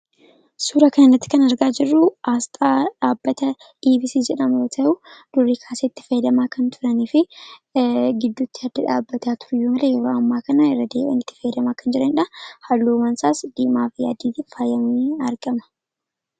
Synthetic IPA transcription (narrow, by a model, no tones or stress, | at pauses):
suːɾɐkɐnɐnːɐt̪ːɪ̥kɐnɐɾɡaːd͡ʒɪrːʊast̪ʼaːᶑaːbːɐt̪ɐ | ᶑiːbɪsid͡ʒɛᶑɐmjoːt̪ʰɐʔʊd̪̥ʊrːikʰaːseːɪt̪ːɪ̥fɐjɛd̪ɐmaːkɐnt̪ʊɾɐnifɪ | ɡɪd̪ːʊt̪ːɪhɐd̪ɐᶑaːbːɐt̪aːt̪ʊ̥ɾʊjːuːmɐlɛjɛɾoːɐmːaːkɐnɐɪrːɐd̪eːʔɐ̰nɪt̪ːɪ̥fɐjd̪ɐmaːkɐnd͡ʒɪɾɐnɪᶑɐhɐlːuːmɐnsaːsd̪̥iːmaːfɪja̰ːd̪iːt̪ifaːjɐmniɐɾɡɐmɐ̥